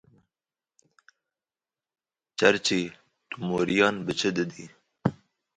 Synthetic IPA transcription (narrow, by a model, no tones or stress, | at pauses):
t͡ʃɐɾt͡ʃi | t̪umoːɾijɑːnbət͡ʃʰəd̪əd̪i